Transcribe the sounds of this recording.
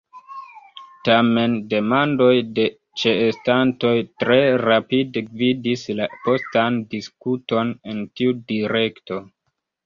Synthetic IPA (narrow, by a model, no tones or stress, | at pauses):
tame̞nde̞mando̞jde̞ | t͡ʃe̞ːstanto̞jtɾe̞ɾapidevidislapo̞standiskuto̞ne̞ntiudiɾe̞kto̞